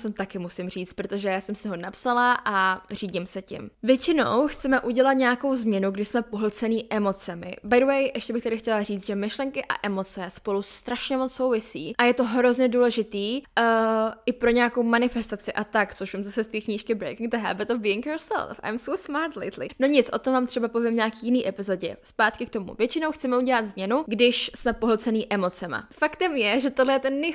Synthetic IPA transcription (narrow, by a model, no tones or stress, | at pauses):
sɛmt̪akɪmusɪmriːt͡st̪pɾo̞t̪oʒɛjaːsɛmsɪɦo̞napsalaʔariːɟimsɛcɪ̰mvjɛt͡ʃɪno̰wxt͡sɛmɛʔuɟɛlat̪ɲɛjako̞wzmɲɛnuɡdɪʃsmɛpoɦl̩t͡sɛniːʔɛmo̞t͡sɛmɪ̰bajdəwɛjʔɛʃcɛbɪxt̪adɪxcɛlariːt͡st̪ʒɛmɪʃlɛŋkɪʔa̰ʔɛmo̞t͡sɛspo̞lust̪ɾaʃɲɛmot͡sso̞wvɪsiːʔajɛt̪o̞ɦɾo̞zɲɛduːlɛʒɪt̪iː | ɪpɾo̞ɲɛjako̞wmanɪfɛst̪at͡sɪʔat̪ak̪t͡soʃvɪmzasɛst̪iːkɲiːʃkɪbɾejkɪŋɡd̪əɦɛ̰bɪt̪ɔvbiːɪŋkjoɹsɛ̰lˠfa̰jmsowsmaɾt̪lḛt̪lɪ̰no̞ɲɪt͡sʔot̪omvaːmt̪r̥ɛbapo̞vjɛmɲaːkiːjɪniːʔɛpɪzo̞ɟɛ̰spaːt̪kɪk̚t̪o̞mṵvjɛt͡ʃɪnowxt͡sɛmɛuɟɛlad̪zmɲɛnuɡdɪʃsmɛpoɦlt͡sɛniːʔɛmo̞t͡sɛma̰fakt̪ɛmjɛʒɛt̪odlɛjɛt̪ɛnːɛ